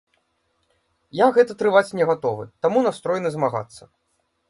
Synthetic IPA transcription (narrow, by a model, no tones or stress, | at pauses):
jaɣɛt̪ɐt̪ɾɨvat͡sʲnʲɛɣat̪ɔvɨ̰t̪amunast̪ɾɔjnɨzmaɣa̰t̪sːɐ